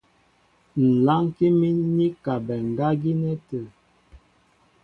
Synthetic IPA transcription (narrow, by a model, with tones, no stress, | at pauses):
n̩˨la˦ŋki˦mi˦ni˦ka˨bɛ˨ŋ˨ɡa˦ɡi˦nɛ˦tə˨